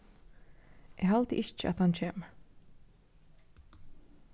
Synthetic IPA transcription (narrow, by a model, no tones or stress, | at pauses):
ʔɛɣɦalt̪ɪ̰ʔɪt͡ʃa̰ðhanːcʰɛːm